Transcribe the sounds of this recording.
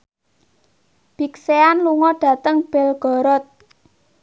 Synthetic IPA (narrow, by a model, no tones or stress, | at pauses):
b̥ikseanluŋɔɖ̥ä̤t̪əŋb̥ɛlɡ̥ɔ̤ɾɔt̪̚